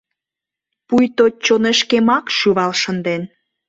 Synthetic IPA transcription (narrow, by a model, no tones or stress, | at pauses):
pujt̪ot͡ɕonĕʃkemɑkʃyβɑlʃənd̪en